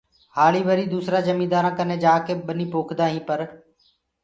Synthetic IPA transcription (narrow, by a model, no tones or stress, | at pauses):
haːɭiːʋəɾiːd̪uːsɾaːd͡ʒəmiːd̪aːɾãːkəneːd͡ʒaːkeːɓəniːpoːkʰd̪aːɦĩːpəɾ